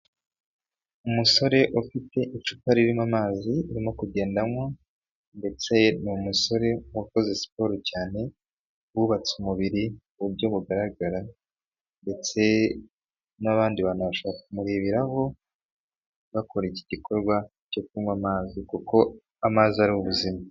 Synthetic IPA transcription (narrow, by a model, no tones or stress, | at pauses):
umuso̞ɾe̞ʔufite̞ʔit͡ʃu̥paɾiɾimamaːziuɾimo̞kuɟe̞ːndamŋo̞ | nde̞t͡se̞numuso̞ɾe̞wako̞zesi̥po̞ɾocaːne̞ | wuβat͡sumuβiɾi | βuɟo̞βuɡaɾaɡaɾa | nde̞t͡se̞ | naβaːndiβaːnuβaʃoβaɾakumuɾiːβiɾaho̞ | βako̞ɾeciɟiko̞ɾɡwa | co̞kuɾimwamaːzikuko̞ | amaːziaɾiuβuzima